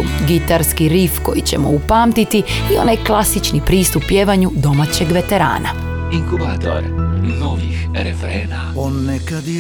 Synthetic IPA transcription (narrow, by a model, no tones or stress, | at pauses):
uɡit̪aɾskiɾifko̞jit͡ɕe̞̰mo̰upaːmt̪it̪iio̞̰najklˠasit͡ʃnipɾiːst̪upːjeːʋaɲud̪o̞mat͡ɕe̞ɡʋe̞t̪e̞ɾa̰ːnʔa̰ | iŋkuvaːt̪o̰ɾnoʋix | ɾefɾeːna | onːekad̪